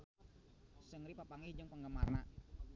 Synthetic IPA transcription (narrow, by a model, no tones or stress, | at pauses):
səŋɾipapaŋɪhd͡ʒɨŋpəŋɡəmarna